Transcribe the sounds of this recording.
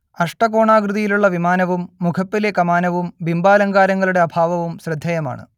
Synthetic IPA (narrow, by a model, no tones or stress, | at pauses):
ɐʂʈɐko̞ːɳaːɡrɨðijiluɭːɐʋimaːnɐʋumːukʰɐpːilekɐmaːnɐʋumbimbaːlɐŋɡaːɾɐŋːɐɭuɽe̞ɐbʱaːʋɐʋumɕrɨd̪ʱːɐjɐma̰ːɳɨ̰